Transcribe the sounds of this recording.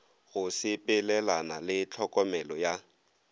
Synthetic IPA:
ɣʊsɪpʼɪlɛlanalɪt͡ɬʰɔkʼɔmɛlɔja

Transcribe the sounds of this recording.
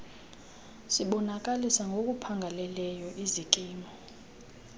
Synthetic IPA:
siɓɔnak̬ʼalisaŋɡʱok̬ʼupʰaŋɡʱalɛlɛjɔʔizikʼiːmɔ

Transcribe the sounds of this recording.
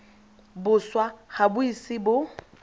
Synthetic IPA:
bʊswahabʊisɪbʊ

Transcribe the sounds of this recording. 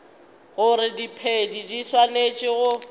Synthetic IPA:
ɣʊɾɪdipʰedidiswanet͡ʃʼɪɣʊ

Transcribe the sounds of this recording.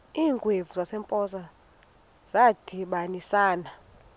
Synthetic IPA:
iːŋɡʱʼwevuzasɛmpʼɔsa | z̥ad̥ʱiɓanisaːna

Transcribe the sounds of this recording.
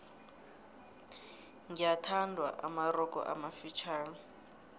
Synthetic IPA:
ŋijatʰandʱwa̰ʔa̰maɾɔk̬ʼɔ̰ʔa̰mafit͡ʃʰaːnɔ

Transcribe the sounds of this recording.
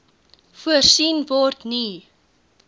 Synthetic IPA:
fuərsinvɔrtni

